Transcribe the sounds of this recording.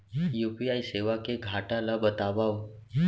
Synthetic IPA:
jupiajseʋakeɡʱaʈalabət̪aʋaw

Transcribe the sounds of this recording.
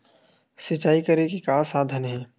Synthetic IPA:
sɪt͡ʃaːikɐɾekikaːsaːd̪ʱənɦɛ̃ː

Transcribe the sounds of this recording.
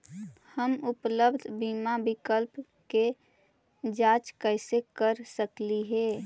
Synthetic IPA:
həmʊpləbd̪ʱbimabɪkəlp | ke | d͡ʒaːt͡ʃkəɪsekəɾsəkliɦe

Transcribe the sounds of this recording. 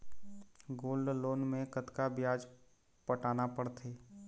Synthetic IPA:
ɡoːlɖloːnmẽkət̪kabjaːd͡ʒ | pəʈaːnapəɽt̪ʰeː

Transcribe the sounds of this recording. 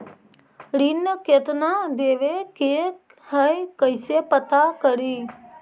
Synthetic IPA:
ɾinəkeːt̪nad̪eːʋekek | ɦəkəɪsepət̪akəɾiː

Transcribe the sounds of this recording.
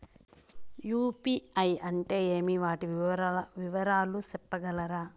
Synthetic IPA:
juːpiɐjɐɳʈe̞ːeːmiʋaːʈiʋiʋɐɾaːlusɛpːɐɡɐlɐɾaː

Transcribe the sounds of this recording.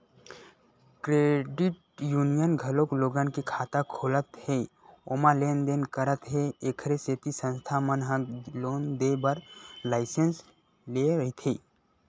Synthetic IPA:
kɾeɖɪʈ | junijənɡʱəlokloɡənkikʰat̪akʰolət̪he | omãlend̪enkəɾət̪ɦeekʰɾeset̪isə̃nst̪ʰamənɦãlond̪ebəɾlaːɪsens | leɾəit̪ʰi

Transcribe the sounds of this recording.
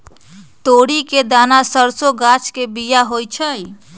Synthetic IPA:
t̪oɽiked̪anasəɾsoɡat͡ʃkebijaɦojt͡ʃʰəj

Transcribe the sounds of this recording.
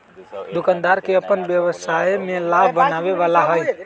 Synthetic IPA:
d̪ukãnd̪aɾkeəpənbjəʋəsajmelabbənaβeʋalaɦəj

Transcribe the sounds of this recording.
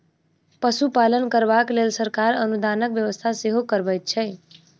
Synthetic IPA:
pəsupalənkəɾbaklelsəɾkaɾənud̪anək̚bjəʋəst̪ʰaseɦokəɾbəjt̪̚t͡ʃʰəj

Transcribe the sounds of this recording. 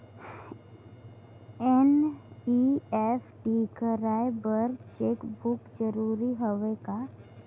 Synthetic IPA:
ɛniɛfʈiːkəɾaːebəɾt͡ʃekbʊkd͡ʒəɾuːɾiɦəʋeka

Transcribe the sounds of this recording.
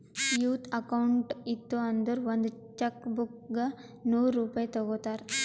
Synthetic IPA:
juːt̪ʰɐkɐwɳʈit̪ːuɐnd̪uɾʋond̪ut͡ʃɐkbuk̚ɡɐ | nuːɾːuːpajɐt̪ɔɡoːt̪aːɾ

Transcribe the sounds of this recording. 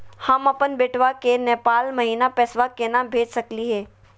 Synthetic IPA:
hɐmɐpənbeːʈʰʋakenɛːpaːlmɐɦiːnapɛːsʋakenabʱeːd͡ʒsɐkliɦɛː

